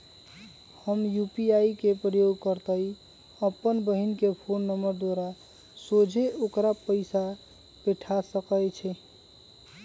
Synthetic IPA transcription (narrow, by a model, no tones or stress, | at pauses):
həmjupiaikepɾəjoɡkəɾt̪əi | əpːənbəɦinkepʰonːəməɾd̪oɾa | sod͡ʒʱeokɾapəɪsa | peʈʰasəkəjt͡ʃʰɛ